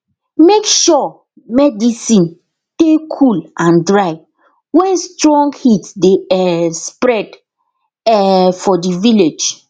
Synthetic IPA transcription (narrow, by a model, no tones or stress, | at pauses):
mekʃɔ | mɛdisĩn | tekʰulʔãndɹaɪ | wɛ̃nstɹɔ̃ŋɡhitsdeɛspɹɛd | ɛfɔdiviled͡ʒ